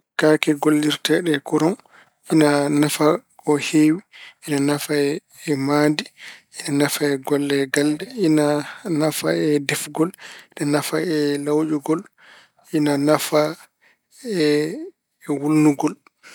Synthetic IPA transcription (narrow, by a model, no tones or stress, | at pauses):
kakɛɡolːiɾtɛɗɛkuɾɔm | ʔinanafakɔheːwiʔinanafaɛ | ɛmadiʔinanafaɛɡɔlːɛɡaldɛinanafa̰ɛdɛfɡɔlɗɛnafaɛlawd͡ʒuɡɔl | ʔinanafa | ɛ | wulnuɡɔl